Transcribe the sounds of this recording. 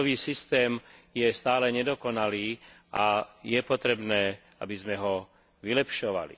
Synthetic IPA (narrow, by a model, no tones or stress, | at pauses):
ʋiːsist̪ɛːmjɛst̪aːlɛɲɛd̪ɔkɔnaliːʔajɛpɔt̪ɾɛbnɛː | a̰bizmɛɦɔ | ʋilɛpʃɔʋa̰lḭ